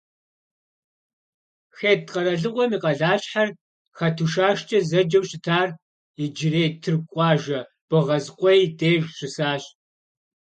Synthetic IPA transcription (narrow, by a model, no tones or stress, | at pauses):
xeːtqɐɾɐɮɨʁʷɔmiːqɐɮaːɕħar | xɐtʰuʃaːʃt͡ʃʼɐzɐd͡ʒɐwɕɪtʰaːr | iɪd͡ʒɪreːtʰɨrkʷʼɑːʒɐ | b̥ɨʁɐzqʷʼɔjdeːʒɕɪsaːɕ